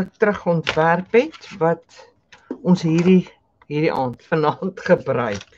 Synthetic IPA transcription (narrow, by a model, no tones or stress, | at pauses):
ək̚tɾəχəɔntværpɦɛtvɐt | ɔnsɦiːri | ɦiːdiʔɑːntfənɑːntχəbrœɥk